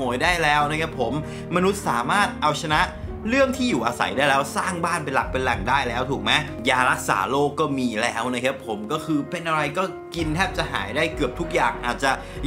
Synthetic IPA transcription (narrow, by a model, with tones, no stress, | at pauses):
u˩˦jdaː˥˩jlɛː˦˥wna˥˩kʰa˦˥pʰo˩˦mː | a˧nu˦˥t̪̚saː˩˦maː˥˩t̪̚ʔa˧wt͡ɕʰa˧na˦˥ʔ | ɾɯ˥˩əŋt̪ʰiː˥˩juː˨˩ʔaː˧sa̰˩˦jdaː˥˩jlɛː˦˥wsaː˥˩ŋbaː˥˩npe˧nla˨˩k̚pe˧nla˨˩ŋdaː˥˩jlɛː˦˥wt̪ʰuː˨˩k̚ma˦˥ | jaː˧ɾa˦˥k̚sa̰ː˩˦loː˥˩kːɔː˥˩miː˧lɛː˦˥wna˦˥˩jkʰa˦˥pʰːo˩˦mkɔː˥˩kʰɯː˧pe˧nʔa˧ɾa˧jkɔː˥˩ | ki˧nt̪ʰɛː˥˩p̚t͡ɕa˨˩ʔɦa̰ː˩˦jdaː˥˩jkɯ˨˩əp̚t̪ʰu˦˥k̚jaː˨˩ŋʔaː˨˩t̪̚t͡ɕa˨˩